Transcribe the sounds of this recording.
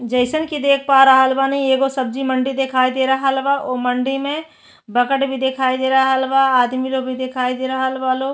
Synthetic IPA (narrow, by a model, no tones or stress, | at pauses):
d͡ʒəɪsənkid̪eːk̚ʰpaːɾaɦəlbanɐɦĩeːɡosəb̚d͡ʒimə̃ɳɖid̪ekʰaːid̪eɾɐɦlbaʔoməɳɖimẽ | bəkəʈbʱid̪ekʰaːid̪eɾɐɦɦəlbaːd̪milobʱid̪ekʰaːid̪eɾəɦəlbaːlo